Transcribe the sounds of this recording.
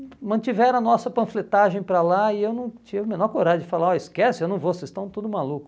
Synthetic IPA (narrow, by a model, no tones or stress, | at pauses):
mɐ̃t͡ʃivɛɾ̃ɐnɔsɐpɐ̃flet̪aʒẽj̃pɾalaɪewnɐ̃w̃t͡ʃivʊmẽnɔɾkoɾaʒʊdd͡ʒɪfalaɾɔɪskɛsɪewnɐ̃w̃vosezst̪ɐ̃t̪ud̪ʊmalukʊ̥